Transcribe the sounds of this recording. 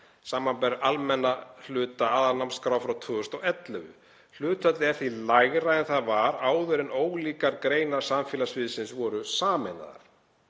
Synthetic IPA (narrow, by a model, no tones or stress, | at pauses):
saːmampɛɾalmɛnːal̥ʏːt̪aaːðaɾnamskɾaːwfɾawt̪ʰœːɣʏst̪ɔɣɛt̪lɛvʏ̰ | l̥ʏːt̪œt̪lɪɛɾθilajɣɾaɛnθaðvaɾaːwðʏɾɪnoːwliːkaɾkɾeːjnaɾ̥samfjɪːlasvɪðsɪnsvɔɾʏsaːmɛna̰ða̰ɾ̥